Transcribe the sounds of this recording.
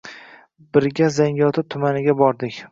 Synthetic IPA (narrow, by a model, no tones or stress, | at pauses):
bɪɾɡʲazaŋʲɒt̪ʰɪt̪ʰʊmanɪɡʲabɒɾd̪ɪkʲ